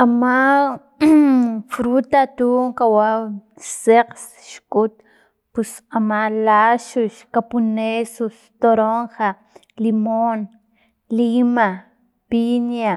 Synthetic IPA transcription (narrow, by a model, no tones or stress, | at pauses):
ama | fɾut̪at̪uŋkawa | seqs | ʃkut̪ | pus | amalaʃuʃkapunesust̪oɾoŋxa | limon | lima | pinja